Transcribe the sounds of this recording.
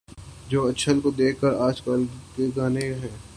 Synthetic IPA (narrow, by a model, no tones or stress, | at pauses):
d͡ʒoːɐt͡ʃʃʰəlkod̪eːkʰkəɾaːd͡ʒkaːlkeɡaːneɦɛ̃ː